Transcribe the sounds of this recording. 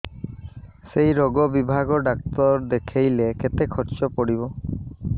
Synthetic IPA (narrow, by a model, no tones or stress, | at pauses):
sejɾɔɡɔbibʱaɡɔɖak̚t̪ɔɾd̪ekʰejleket̪ekʰɔɾt͡ʃɔpɔɽibɔ